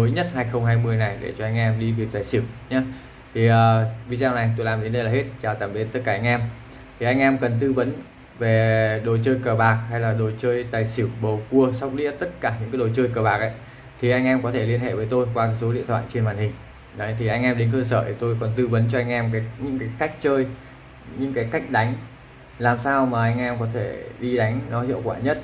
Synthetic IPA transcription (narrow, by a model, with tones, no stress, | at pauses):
məː˨˦jɲə˦˥t̚haː˧jxə˧wŋ͡mɦaː˧jmɨ˧əjna˨˩jɗḛ˧˩t͡ɕɔ˧ʔa˧jŋ̟ʔɛ˧mɗi˧vi˨˩ək̚t̪aː˨˩jsi˧˩əwɲaː˨˦ | t̪ʰi˨˩ʔəː˨˩vi˧zaː˧wna˨˩jt̪o˧jlaː˨˩mɗe˨˦nɗe˧jlaː˨˩ɦe˦˥t̚t͡ɕaː˨˩zaː˧˩mɓi˨˦t̚t̪t̚kaː˧˩ʔa˧ŋ̟ʔɛ˧m | tt̪ʰi˨˩ʔa˧jŋ̟ʔɛ˧mkə˨˩nt̪ɨ˧və˨˦n | ve˨˩ɗo˨˩jt͡ɕəː˧jkəː˨˩ɓaː˨˩k̚ha˧jlaː˨˩ɗo˨˩jt͡ɕəː˧jt̪aː˨˩jsi˧˩əwɓə˨˩wku˧əsa˦˥wk͡p̚lḭ˧˥ət̪ə˦˥t̚kaː˧˩ɲɨ̰˧˥ŋaː˨˦ɗo˨˩jt͡ɕəː˧jkəː˨˩ɓaː˨˩k̚ʔa̰˨˦j | t̪ʰi˨˩ʔa˧jŋʔɛ˧mkɔ˨˦t̪ʰe˧˩li˧ənhḛ˧˨vəː˨˦jt̪o˧jkwaː˧kaː˨˦jso˨˦ɗḭ˧ənt̪ʰwa̰ː˧˨jt͡ɕe˧nvaː˨˩nhï˨˩ŋ̟ | nɔ˨˦t̪ʰi˨˩ʔa˧jŋ̟ʔɛ˧mɗe˨˦nkəː˧səː˧˩t̪ʰi˨˩t̪o˧jkɔ˨˩nt̪ɨ˧və˨˦nt͡ɕɔ˧ʔa˧jŋ̟ʔɛ˧mkaː˨˦jɲɨ̰˧˥ŋkaː˨˦jka˦˥jk̟̚t͡ɕəː˧j | ɲɨ̰˧˥ŋkaː˨˦jka˦˥jk̟̚ɗa˨˦jŋ̟ | laː˨˩msaː˧wmaː˨˩ʔa˧jŋ̟ʔɛ˧mkɔ˨˦t̪ʰe˧˩ɗi˧ɗa˨˦jŋ̟nɔ˨˦hḭ˧˨əwkwaː˧˩ɲə˦˥t̚